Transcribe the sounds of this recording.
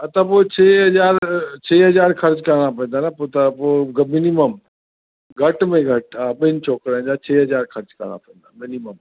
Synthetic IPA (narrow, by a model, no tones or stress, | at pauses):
ɐt̪ɐpot͡ɕʰeːɦɐzaːɾt͡ɕʰeːɦɐzaːɾkʰɐɾd͡ʑkəɾɽ̃ap̬ɐ̃ɪ̃nd̪aːnapot̪apoɡmɪniməm | ɡʱɐʈmẽɡʱɐʈaːɓɪɪnɪt͡ʃʰɔːkɾaːɪ̃d͡ʑat͡ɕʰeːɦɐzaːɾkʰɐɾd͡ʑkɐ̰ɾɽ̃a̰pɐ̃ɦɪ̃n̆d̪amɪniməm